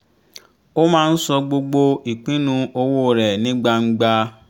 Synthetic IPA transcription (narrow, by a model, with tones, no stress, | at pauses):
o˦mãː˦˧n̩˦sɔ˧ɡ͡bo˧ɡ͡bo˧i˨k͡pĩ˦nũ˧o˧wo˦˨ɾɛ˨nĩ˦ɡ͡ba˧ŋ̩˦ɡ͡ba˧